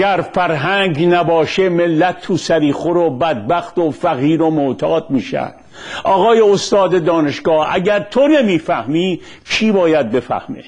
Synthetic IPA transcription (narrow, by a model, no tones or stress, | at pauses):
æɾfæɾɦæŋɟnæbɒːʃemelːæt̪ʰːuːsæɾiːχoɾobæd̪̚bæxt̪ofæɣiːɾomot̪ʰɒːd̪miːʃæ̰nd̪̥ʔɒːɣɒːjeost̪ɒːd̪ed̪ɒːne̞ʃɡɒːhæ̰ɟæɾt̪ʰonemiːfæhmiː | t͡ʃʰiːbɒːjæd̪̚be̞fæ̰hmḛ